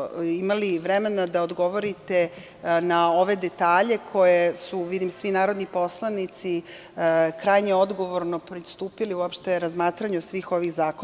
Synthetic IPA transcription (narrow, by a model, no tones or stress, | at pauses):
imaliʋɾeme̞nad̪aod̪ɡo̞ʋo̞ɾit̪e̞ | nao̞ʋe̞d̪e̞t̪aːʎe̞kʰo̞je̞suʋid̪imsʋinaːɾo̞d̪nipo̞slˠanit̪si | kɾajɲeo̞d̪ɡo̞ʋo̞ɾnopɾist̪uːpiliuopʃt̪e̞ɾazmaːt̪ɾaɲusʋiːxo̞ʋiɣzaːko